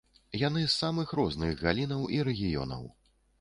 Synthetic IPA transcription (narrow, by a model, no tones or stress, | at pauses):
jan̪ɨsːamɨxɾɔznɨɣɣalʲinɐwiɾɛɣʲijɔ̰nɐ̰w